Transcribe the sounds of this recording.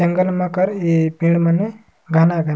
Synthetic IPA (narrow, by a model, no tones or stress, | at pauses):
əŋɡəlmãkəɾepiɳməne | ɡʱanaɡʱan